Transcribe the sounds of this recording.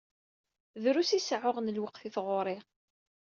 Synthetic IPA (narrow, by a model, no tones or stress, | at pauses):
ðɾusisʕʊʁnəlwəqθiθʁʊɾˤɪʁ